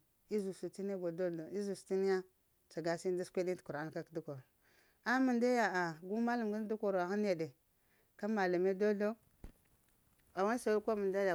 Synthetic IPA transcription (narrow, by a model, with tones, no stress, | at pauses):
i˦zu˨su˨ti˦ne˦ɡo˨do˦ɮo˨i˦zu˨sti˦ni˦ja˦ | t͡ʃa˨ɡa˨˦si˦n˦da˦skʷe˦di˦tku˨ɾa˦n˨ka˦kdu˦ko˨ɾo˨ | a˦mu˨nda˦ja˨a˨ɡu˦ma˦la˨mɡa˦n˦du˦ko˨ɾa˨xa˦n˦je˨de˨ | ka˦ma˨la˨me˦do˦ɮo˦ | a˨wa˦sa˨˦kʷa˦mə˨nda˦ja˨